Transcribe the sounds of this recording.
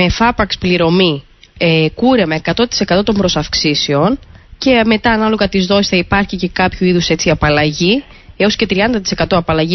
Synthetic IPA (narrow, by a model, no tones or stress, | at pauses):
e̞fɐpɐkspliɾo̞mi | ekuɾemɐe̞kɐt̪o̞t̪i̥se̞kɐt̪o̞t̪o̞mbɾo̞sɐfksiseo̞nce̞me̞t̪ɐːnɐlo̞ɣɐt̪izðo̞sisθɐipɐɾçice̞kɐpçuiðuse̞t͡siɐpɐlɐʝi | e̞o̞sce̞t̪ɾiɐnd̪ɐt̪̬ise̞kɐt̪o̞ɐpɐlɐʝi